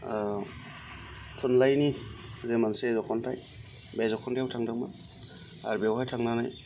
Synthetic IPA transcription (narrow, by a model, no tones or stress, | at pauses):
tʰunlajnizemansezɔkʰɔntʰaj | bezɔkʰɔntʰajawtʰaŋdak̚ma | a̰ɾbewhajtʰaŋnanaj